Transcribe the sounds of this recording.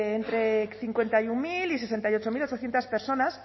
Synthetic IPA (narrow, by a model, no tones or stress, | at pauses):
nt̪ɾe̞θiŋkwe̞nt̪ajuŋmilise̞se̞nt̪ajo̞t͡ʃo̞milot͡ʃo̞θjent̪aspe̞ɾso̞nas